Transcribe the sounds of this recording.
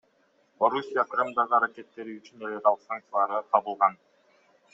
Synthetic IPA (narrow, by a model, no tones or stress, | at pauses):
o̞ɾusʲijaqʰɾɯmd̪ɑʁɯɑɾakʲe̞t̪ːe̞ɾiyt͡ʃyne̞lʲeɾɑlˠəqsaŋk̚t̪sɛlˠɑɾɯqʰɑβɯlˠʁɑn